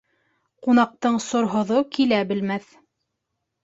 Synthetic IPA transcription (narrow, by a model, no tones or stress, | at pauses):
qunɑq̚t̪ɤɴsŏɾɦŏðokilæbɘ̆lmæθ